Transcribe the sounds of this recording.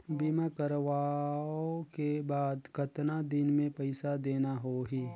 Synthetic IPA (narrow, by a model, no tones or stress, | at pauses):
bimakəɾʋaːokebaːd̪kɐt̪nad̪ɪnmẽpɐɪsad̪eːnaɦoɦiː